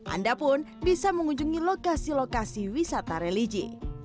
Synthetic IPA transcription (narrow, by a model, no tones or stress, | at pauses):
ʔa̰ndapʊnbisaməŋuɲd͡ʒuŋilokasilokasiwisat̪aɾelid͡ʒḭ